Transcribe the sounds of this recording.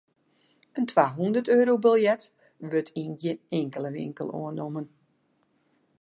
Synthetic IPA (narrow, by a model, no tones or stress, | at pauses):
əntʰʋaːɦundərtøːɾowbəlˠjɛt | ʋøtʰinjəneŋkəlˠəʋɪ̰ŋkə̰lˠo̰ənomən